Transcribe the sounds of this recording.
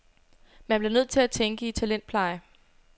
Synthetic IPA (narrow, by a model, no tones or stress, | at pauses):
mænb̥le̝nøð̞̰ˠt͡sʰe̝læt͡sʰeŋɡ̥əit͡sʰælen̰d̥pʰlɑ̈ɪə